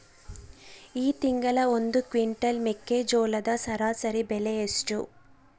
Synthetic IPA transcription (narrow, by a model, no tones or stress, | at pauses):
iːt̪iŋɡɐlɐo̞nd̪ukʋiɳʈɐlmekːeːd͡ʒoːlɐd̪ɐsɐɾaːsɐɾibeleesʈu